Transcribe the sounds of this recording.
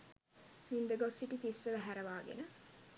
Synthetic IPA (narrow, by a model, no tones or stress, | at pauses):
mind̪əɡosːiʈit̪isːəʋæɦæɾɐʋaːɡḛnə